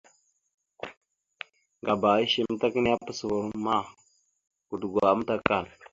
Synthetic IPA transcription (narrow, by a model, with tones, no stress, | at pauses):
ŋɡa˨ba˨ɣi˦ʃi˨m˦ta˦ki˦ni˦a˦pə˦swu˨ɾma˦˨ | ɡu˨dɡʷa˨a˦m˦ta˦ka˦˨l